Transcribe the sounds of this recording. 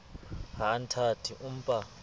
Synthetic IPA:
ɦantʰatʰiʔum̩pʼa

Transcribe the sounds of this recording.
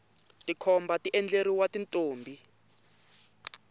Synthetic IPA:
tikʰɔmbatiʔɛnd͡ɮeɾiwatintʼoːmbʱi

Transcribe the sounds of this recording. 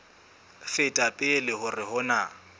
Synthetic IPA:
fɪtʼapʼɪlɪhʊrɪhʊna

